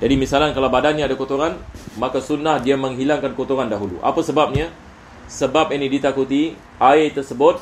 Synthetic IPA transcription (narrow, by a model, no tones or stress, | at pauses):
d͡ʒadimisalankalawbadanɲaadakot̪oɾanmakasunahdiaməŋɦilaŋkankot̪oɾandaɦulṵʔa̰pasəbap̚ɲa | səbap̚inidit̪akut̪i | ʔaɪt̪ərsəbʊt̪̚